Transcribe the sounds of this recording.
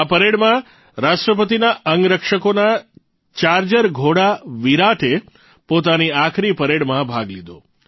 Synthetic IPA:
apəɾeɽmã | ɾaʃʈɾəpət̪inaʔəŋɡɾəkʃəkona | t͡ʃaɾd͡ʒəɾɡʱoɽaʋiɾaʈʰe | pot̪aniakʰɾipəɾeɽmãbʱaɡlid̪o̰

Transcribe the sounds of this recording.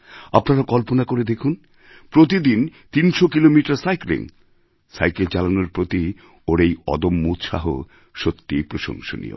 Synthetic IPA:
apnaɾakɔlponakoɾed̪ekʰun | pɾot̪̬id̪int̪inʃokilomiʈaɾsajklḭŋ | sajkelt͡ɕalanoɾpɾot̪i | oɾejɔ̰d̪omːut̪ʃa̰ɦo̰ | ʃot̪ːipɾoʃo̰ŋʃo̰nḭjo̰

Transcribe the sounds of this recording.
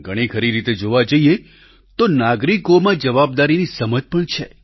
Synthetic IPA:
ɡʱəɽ̃ikʰəɾiɾit̪ed͡ʒoʋad͡ʒəie | t̪onaɡɾikomãd͡ʒəʋab̚d̪aɾinisəməd͡ʒpəɳt͡ʃʰḛ

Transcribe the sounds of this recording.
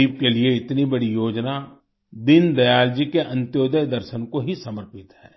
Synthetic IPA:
iːb̚kelieɪt̪nibɐɽijoːd͡ʒna | d̪ɪnd̪ɐjaːld͡ʒikeʔɐ̃nt̪joːd̪əjd̪ɐɾʃənkoɦisɐməɾpɪt̪ɦɛː

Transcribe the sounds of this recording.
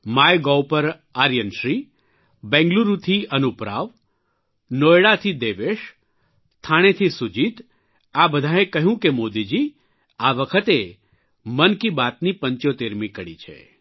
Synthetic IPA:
majɡɔwpəɾ | aɾjənʃɾi | bɛ̃ŋɡluɾut̪ʰiənupɾa̰ʋ | nojɽat̪ʰid̪eʋeʃ | t̪ʰaɽ̃et̪ʰisud͡ʒit̪ | abəd̪ʱaẽkəɦjũkemod̪id͡ʒi | aʋəkʰət̪e | mənkibat̪nipəɲt͡ʃot̪eɾmĩkəɽḭt͡ʃʰḛ

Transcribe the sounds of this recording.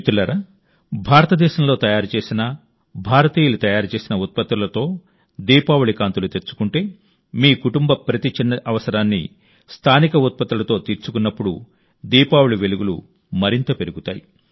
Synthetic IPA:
t̪ulɐɾaː | bʱaːɾɐt̪ɐd̪ɛːʃɐmlo̞ːt̪ɐjaːɾut͡ʃe̞ːsinɐ | bʱaːɾɐt̪iːjulut̪ɐjaːɾut͡ʃe̞ːsinɐut̪̚pɐt̪ːɾulɐt̪o̞ː | d̪iːpaːwuɭikaːnt̪ulut̪e̞ɾt͡ʃːu̥kuɳʈe̞ː | miːkuʈumbɐpɾɐt̪it͡ʃinːɐʔɐʋɐsɐɾaːnːḭ | st̪ʰaːnikɐut̪̚pɐt̪ːɾulɐt̪o̞ːt̪iːɾt͡ʃukunːɐpːuɽu | d̪iːpaːwuɭiʋe̞luɡulṵ | mɐɾint̪ɐpe̞ɾuɡut̪a̰ːji

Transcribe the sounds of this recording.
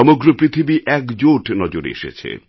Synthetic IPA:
ɔmoɡɾopɾit̪ʰibiʔɛkd͡ʑoʈnɔd͡ʑoɾḛʃḛt͡ɕʰḛ

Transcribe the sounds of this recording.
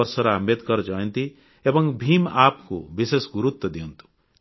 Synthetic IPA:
ʌɾsɔɾaamet̪kʌɾd͡ʒʌjʌnt̪i | ebʌŋbʱimapkṵbisesɡuɾut̪wɔd̪iunt̪ʰu̥

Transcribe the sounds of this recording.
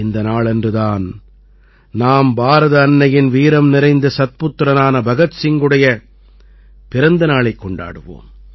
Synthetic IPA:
ɪnd̪ɐnaːɭɛndrɯðaːn | naːmbaːɾɐðɐːnːɐjɪnʋiːɾɐmnɪɾɐɪnd̪ɐsɐt̪̚pʊt̪ːɾɐnaːnɐbɐɣɐt̪sɪŋɡɯɽɐjɐ | pɪɾɐnd̪ɐnaːɭɐɪkːɔɳɖa̰ːɽɯʋo̰ːm

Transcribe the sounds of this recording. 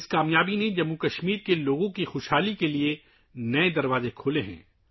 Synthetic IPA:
ɪskaːmjaːbined͡ʒɐmːukɐʃmiːɾkeloːɡõkixoːʃɦaːlikelie | nɐed̪ɐɾʋaːzekʰoːleɦɛ̰̃ː

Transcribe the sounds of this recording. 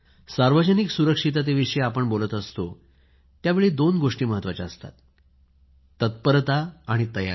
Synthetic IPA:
saɾʋəd͡ʑəniksuɾəkʂit̪̬at̪̬eʋiʂiapəɳbolət̪əst̪o | t̪jaʋeɭiːd̪onɡoʂʈiːməɦət̪ːʋat͡ɕaəst̪a̰t̪ | ət̪̚pəɾt̪aːɽ̃it̪əja̰

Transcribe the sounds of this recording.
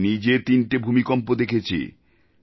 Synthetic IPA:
nid͡ʑet̪inʈebʱumikɔmpod̪ekʰet͡ɕʰḛ

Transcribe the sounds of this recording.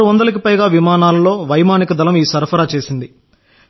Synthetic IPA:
uʋɐnd̪ɐlɐk̬ipɐjɡaːʋimaːnaːlɐlo̞ːʋɐjmaːnikɐd̪ɐlɐmiːsɐɾpʰɐɾaːt͡ʃe̞ːsind̪i

